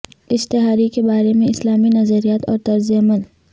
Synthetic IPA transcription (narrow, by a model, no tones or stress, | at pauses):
ɪst̪ɪɦaːɾikebaːɾemẽɪslaːminɐzəɾijaːt̪ɔːɾt̪ɐɾzijəmən